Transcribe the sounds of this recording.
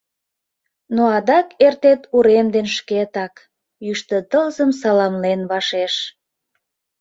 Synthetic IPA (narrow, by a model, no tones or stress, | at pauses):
noɑd̪ɑkert̪et̪uɾemd̪enʃket̪ɑk | jyʃt̪ət̪əlzəmsɑlɑmlenβɑʃeʃ